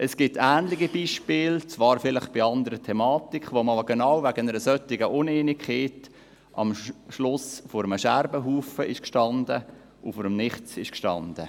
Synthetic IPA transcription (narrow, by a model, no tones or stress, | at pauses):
ʔɛsɡ̥ɪtæːnlɪɡibiːʃpɪːlt͡sʋɑːɾfɪlɪχb̥iɑnd̪əɾətʰɛmɑːtikχʋomɑːlɡ̥enawvæɡənəɾəsœtɪɡəʔʊneːnikχeːt | ʔɑ̰mʃlʊsfɔɾəməʃæɾbəɦuːfəʔɪʃkʃtɑnd̪ə | ufoɾəmnɪχt͡sɪʃkʃtɑ̰nd̥̪ə